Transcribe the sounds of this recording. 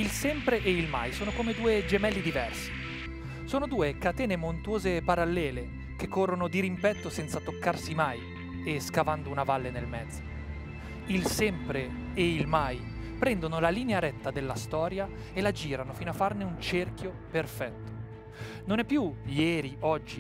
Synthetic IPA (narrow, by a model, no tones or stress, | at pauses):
ilsɛmpɾeʔeilma̰jsoːnokomed̪uːed͡ʒemɛlːid̪ivɛrsi̥ | soːnod̪uːekat̪ɛːnemont̪uoːzepaɾalːɛːle | k̟ekːorːonod̪iɾimpɛt̪ːosɛnt̪sat̪okːarsimaj | eskavand̪ounavalːenelmɛd̪zːo | ilsɛmpɾe | eilmaj | pɾɛnd̪onolaliːneaɾɛt̪ːad̪elːast̪ɔːɾja | elad͡ʒiːɾanofiːnoafːarneunt͡ʃerkjoperfɛt̪ːo̥ | nonɛpːjujɛːɾiɔd͡ʒːi